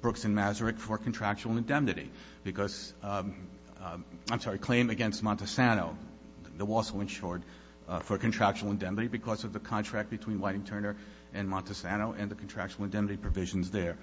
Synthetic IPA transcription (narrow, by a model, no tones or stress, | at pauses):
b̥ɹʊksɨ̃nmæzə˞ɨkfə˞kʰn̩tʰɹ̥æk̚t͡ʃul̩ˠɨ̃ndɛ̃mnɨɾḭ | b̥ɨkʰʌz̥ | ãɪ̃msɑɹikʰl̥ẽɪ̃mɨɡɛ̃nst̚mɑ̃ntɨsænoʊ | ðəɔlˠsoʊɨ̃nʃʊɹd̪̚ | fə˞kɨ̃n̩tʰɹ̥æk̚t͡ʃul̩ˠə̃ndɛ̃mnɨɾibɨkʰʌzʌvðɨkʰɑ̃ntʰɹ̥æk̚b̥ɨtʰw̥ĩnwaɪɾɪ̃ŋtʰɜ̃˞nə˞ | ʔɨ̃nmɑ̃ntɨsænoʊʔɨ̃nðɨkʰn̩tʰɹ̥æk̚t͡ʃul̩ˠə̃ndɛ̃mnɨɾipʰɹ̥ɨvɪʒn̩zðə˞